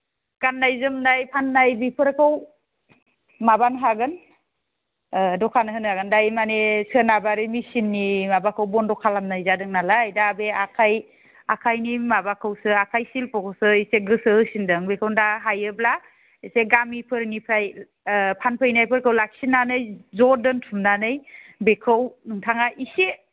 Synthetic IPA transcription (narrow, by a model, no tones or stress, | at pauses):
ɡ̥anːajzɯmdajpʰanːajbipʰɯɾkʰɯw | mabanɦaɡɯn | dɔkʰanɯɦɯnaɡɯndajmanesʰɯnabaɾɯmisinːimabakʰɯwbɔndɔkʰalamnajzadɯŋnalaːjdaːbeakʰaj | akʰajnimabakʰɯwsɯakʰajsilpɔkɔsɯiseɡɯsɯɯsindɯŋbekʰɯwndaɦajɯbla | iseɡamipʰɯɾnipʰɾaj | pʰanpʰɯjnajpʰɯɾkʰɯwlak̚sinːanɯjzɔdɯntʰumnanɯjbekʰɯwnɯŋtʰaŋaʔise